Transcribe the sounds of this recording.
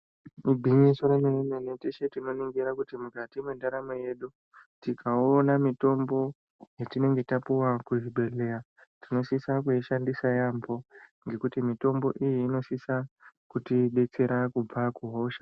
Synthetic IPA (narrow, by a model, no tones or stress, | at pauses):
mibʱiɲisoɾemeneneneteʃetino̞niŋɡiɾakutimukatimwe̞ndaɾameje̞ɗu | tikʰaonamito̞mbo̞ | jetine̞ŋɡe̞tapuwakuɦiɓe̞lera | tino̞sisakuiʃandisajambo̞ŋɡe̞kutimito̞mbo̞ʔijiːno̞sisakutiɓe̞t͡se̞ɾakub͡vakuɦo̞ʃa